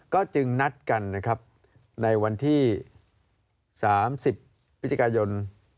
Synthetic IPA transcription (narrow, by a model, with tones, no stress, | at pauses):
kɔː˥˩t͡ɕɯ˧ŋna˦˥t̪̚ka˧nːa˦˥kʰɾa˦˥p̚ | na˧jwa˧nt̪ʰiː˥˩ | saː˩˦msi˨˩pʰː | t̪̚ːt͡ɕa˧kaː˧jo˧n